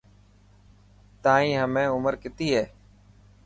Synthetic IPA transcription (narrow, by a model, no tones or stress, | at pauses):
t̪aːĩːɦəmẽːʊməɾkɪt̪iːɦeː